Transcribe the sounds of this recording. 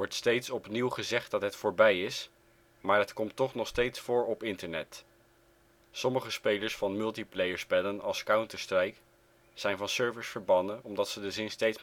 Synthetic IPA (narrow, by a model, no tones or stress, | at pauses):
ʋɔɹtstejtsɔpniwχəzɛχt̚dɑtɦətfʊːɹbɛjɪs | maːɹɦətkɔmtːɔχnɔχstejtsfʊːɹɔpɪntəɹnɛt | sɔməχəspejləɹsfɑnmɵlˠtiplejəɹspɛlənɑlˠskawntəɹstrɛjk | sɛjnvɑnsøɹvəɹsfəɹbɑndənɔmdɑtsədəzɪnstejts